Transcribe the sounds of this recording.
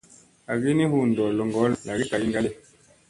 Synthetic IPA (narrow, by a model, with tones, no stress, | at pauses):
a˨ɣi˦ni˦hu˦˨n˨dɔ˨lɔ˨ŋɡɔ˨˦la˨ɡi˦ta˨ɡi˦ŋɡa˦le˨